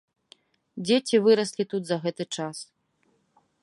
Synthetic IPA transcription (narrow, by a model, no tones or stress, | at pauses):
d͡zʲet͡sʲivɨɾɐsʲlʲit̪ud̪zɐɣɛt̪ɨt͡ʂas